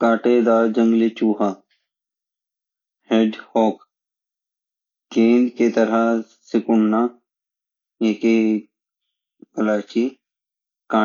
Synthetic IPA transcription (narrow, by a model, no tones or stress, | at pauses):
kaːʈed̪aːɾd͡ʒə̃ŋɡlet͡ʃuːɦa | heːɖhɔːk | ɡẽːnd̪ket̪əɾa | sɪkʊɳna | eːke | ɐlaːt͡ʃi | kãː